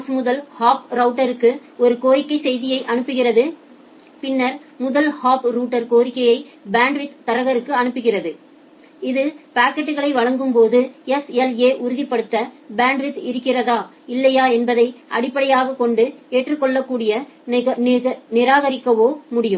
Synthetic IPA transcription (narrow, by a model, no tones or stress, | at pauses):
smʊðɐlhaːpɾɐʊʈːɐɾɯkːɯɔɾɯkoːɾɪkːɐɪsɛjðɪjɐɪʔɐnɯpːɯɣɪrɐðɯ | pɪnːɐɾmʊðɐlhaːpɾuːʈːɐɾkoːɾɪkːɐjɐɪbaːɳɖʋɪt̪t̪ːɐɾɐɣɐɾɯkːɯɐnɯpːɯɣɪrɐðɯ | ɪðɯpaːkːɐʈːɯɣɐɭɐɪʋɐɻɐŋɡɯmpoːðɯɛsɛleːʔʊɾɯðɪpːɐɽɯt̪ːɐbaːɳɖʋɪt̪ɪɾɯkːɪrɐðaː | ɪlːɐjaːɛnbɐðɐɪʔɐ̰ɽɪpːɐɽɐjaːɣɐkɔɳɖɯeːʈrɯkːɔɭːɐkːuːɽɪjɐ | nɪɾaːɣɐɾɪkːɐʋoːmʊɽɪjɯm